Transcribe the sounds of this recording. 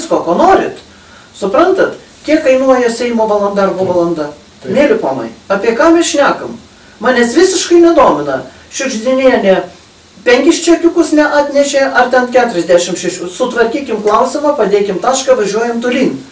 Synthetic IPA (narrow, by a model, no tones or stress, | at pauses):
skoːkoːnoːɾʲɪ̰t̪ | sʊpɾɐnt̪ɐt̪ | kʲiɛkːɐɪnuɔjɛsʲɛɪmoːʋɐlˠɐnd̪ɑɐrboʋɐlˠɐnd̪ɐ | t̪nʲeːlʲɪpoːnɐ̰ɪɑːpʲiɛkɑːmʲɛsʃʲnʲæːkɐm | mɑːnʲɛsʋʲɪsʲɪʃkɐɪnʲɛd̪oːmʲɪnɐ | ʃʲʊʒʲd̪ʲɪnʲeːnʲɛ | pʲɛŋʲkʲɪʃʲt͡ʃʲɛkʲʊkʊsnʲɛʔɑːt̪ʲnʲɛʃʲeːʔɐrt̪ʲɛnkʲæːt̪ʊɾʲɛzʲd̪ʲæʃʲɪmʃʲɛʃʲʊsʊt̪ʋɐrʲkʲiːkʲɪmklˠɐʊsʲɪmɐpɐd̪ʲeːkʲɪmt̪ɑːʃkɐʋɐʒʲuɔjɛmt̪ʊlʲiːn